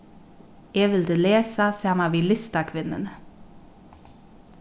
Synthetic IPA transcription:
jeːʋɪld̪eːleːsɑseːɑmɑːʋiːlʏst̪ɑkʰʋɪnə̰n

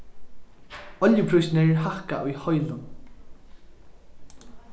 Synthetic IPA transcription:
ɔljəpʰɾʊjsneɹɦahkaʔʊjhɔjlʊn

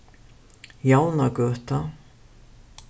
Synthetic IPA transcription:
jaːwnakœːt̪a

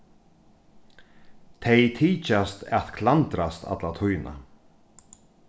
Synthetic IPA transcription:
t̪ʰejt̪ʰiːcast̪a̰ðkʰlant̪ɾast̪a̰t̪lat̪ʰujna̰

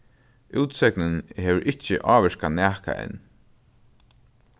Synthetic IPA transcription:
uːt̪sɛknənhɛːʋəɾʔɪt͡ʃːɪʔɑːʋɛʂkanæːka̰ʔɛ̰nː

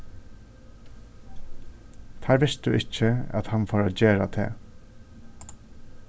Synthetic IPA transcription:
t̪ʰæːɹʋɪst̪̚d̪ʉ̰ːʔɪcəa̰t̪hɑnfoːɹoːd͡ʒeːɹat̪ʰḛː

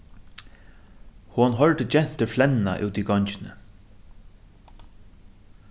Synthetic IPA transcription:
hʊnɦœɹt̪əd͡ʒɛn̥t̪əflɛnna̰ʔʉ̰ːt̪iɡɔɲt͡ʃɪnə̰

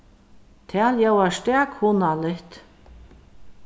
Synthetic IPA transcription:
t̪ʰɛːljɛwast̪ɛːkhʊnalɪht̪

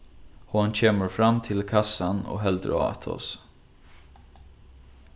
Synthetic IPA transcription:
huɑnc͡çʰeːməɹfɾamt̪ʰɪlkʰɑsano̰ːɦɛld̪ɾ̰ɑ̰t̪ʰɔ̰s

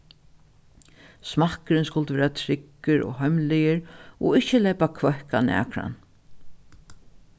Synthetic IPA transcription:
smahkəɾɪnskʊlt̪əʋɛːɾat̪ʰɾɪkːɪɾɔ̰ɦœɥmlɪjɪɾɔɪhçəlɛːpakʰvœhkanæ̰ːkɾa̰n

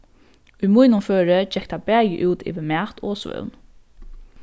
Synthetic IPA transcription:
ʊjmujnʊnføːɾəd͡ʒɛk̚t̪ʰabæːjəʔʉːt̪ʰɪ̰ːʋɪmæːt̪ʰɔːsʋœ̰wn

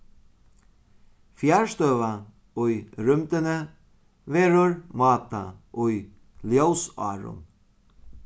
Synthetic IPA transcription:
fjaɹst̪øːva | ʊjɾʏmt̪ɪnə | vɛːɾʊɹmɑːt̪aʊj | ljowsɑ̰ːɾʊ̰n

